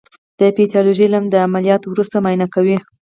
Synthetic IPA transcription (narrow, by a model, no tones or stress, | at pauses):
d̪̥əpit̪jɑloʒəjlamd̪əamalijɑt̪wɾust̪amajnakawi